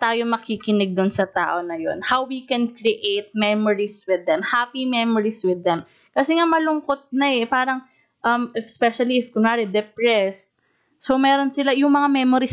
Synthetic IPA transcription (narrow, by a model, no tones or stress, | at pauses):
t̪aːjomɐkikɪnɛɡ̚d̪ʊnsɐt̪a̰ːʔo̞nɐjo̰nhawwikɛnkɹiʔet̪̚mɛmoɹiswɪd̪ɛmhapimɛmoɹiswɪd̪ːɛm | kɐsɛŋamɐlʊŋkot̪̚nɐɛpaːɾɐŋ | ʔɐmɪfspɛʃɐliɪfɡʊnaːɾid̪ɛpɹɛst̪̚ | somɛːɾo̞nsɪlajʊŋmɐŋamɛmoɾis